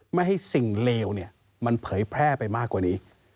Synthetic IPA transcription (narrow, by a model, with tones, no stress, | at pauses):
ma˥˩jɦa˥˩jsi˨˩ŋleː˧wni˥˩ɐ | ma˧npʰɤː˩˦jpʰɾɛː˥˩pa˧jmaː˥˩kːwaː˨˩niː˦˥